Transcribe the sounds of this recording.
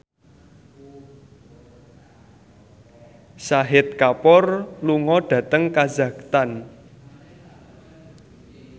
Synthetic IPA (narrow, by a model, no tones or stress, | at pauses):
saɦɪt̪̚kapɔrluŋɔɖ̥ä̤t̪əŋkaza̤kt̪an